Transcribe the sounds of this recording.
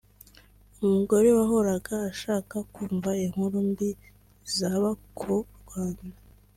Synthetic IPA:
umuɡo̞ɾe̞waɦo̞ɾaɡaːʃaːkakuːɱvaeŋ̥uɾumbi | zaβakʰuɾɡwaːnda

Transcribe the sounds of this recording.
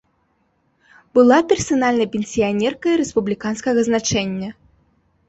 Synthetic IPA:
b̥ɨlˠapʲɛrsanalʲnɐjpʲenʲsʲijanʲɛrkɐiɾɛspublʲikanskɐɣɐznat͡ʂɛnʲːɐ

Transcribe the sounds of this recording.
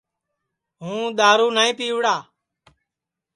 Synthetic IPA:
ɦũːɗ̪aːɾuːnaːĩːpiːʋɽaː

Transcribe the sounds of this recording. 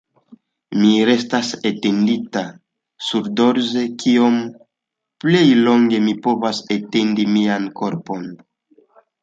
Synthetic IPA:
miɾe̞stasetendita | suɾdo̞ɾze̞kʰio̞m | ple̞jlo̞ŋɡe̞mipo̞vasetendimianko̞ɾpo̞n

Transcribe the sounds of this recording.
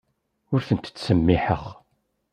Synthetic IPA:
ʊɾθənt̪t͡sːsəmːiħəχ

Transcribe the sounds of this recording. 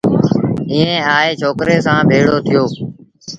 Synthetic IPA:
ĩːẽːaːeːt͡ʃʰoːkɾeːsãːbʱeːɽoːt̪ʰɪjoː

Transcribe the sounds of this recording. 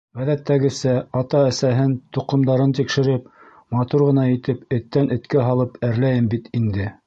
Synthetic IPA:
ʁæðæt̪ːæɡɘ̆sæɑt̪ɑæsæɦɘnt̪uqɤ̆md̪ɑɾɤnt̪ikʃɘ̆ɾɘp̚ | mɑt̪uɾʁɤ̆nɑit̪ɘpɘ̆t̪ːænʔɘ̆t̪kæɦɑlˠɤpæɾlæjɘmbit̪ind̪ɘ

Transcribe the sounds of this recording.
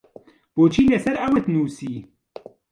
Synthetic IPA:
b̥oːt͡ʃʰiːlɛsɛɾɐwɨt̪nuːsiː

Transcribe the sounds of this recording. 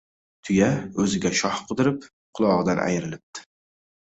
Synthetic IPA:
t̪ʰʊjaɵzɪɡʲaʃɒhqʰɨd̪ɪɾɪp̚ | qʰʊlˠɒʁɨd̪anʔa̰jɾɪlɪp̚t̪ʰɪ̥

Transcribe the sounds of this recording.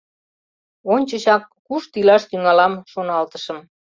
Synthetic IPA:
onʲt͡ɕəɕɑkːuʃt̪ilɑʃt̪yŋɑlɑmʃonɑlt̪əʃəm

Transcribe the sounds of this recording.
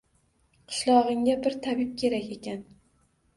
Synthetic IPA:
qʰɨ̥ʃlˠɒʁɨŋʲabɪɾt̪ʰabɪp̚kʲʰe̞ɾakʲe̞kʲʰan

